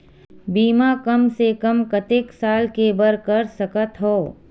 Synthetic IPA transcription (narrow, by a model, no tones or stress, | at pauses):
biːmakɐmsekɐmkɐt̪ɪksaːlkebəɾkɐɾsɐkət̪ɦoː